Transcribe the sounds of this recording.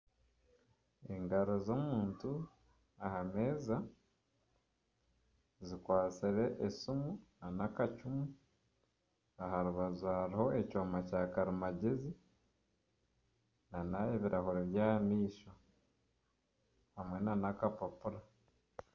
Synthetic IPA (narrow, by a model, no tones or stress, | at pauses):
e̞ŋɡaɾo̞zo̞muːntu | ahame̞ːza | zikwaːt͡siɾe̞ʔesumunanakacumu | aɦaɾuβazuhaɾiho̞ecoːmacaːkaɾimaɟezi | nanaeβiɾʔahoɾeβjaːmiːʃo | hamwe̞nanakapapuɾa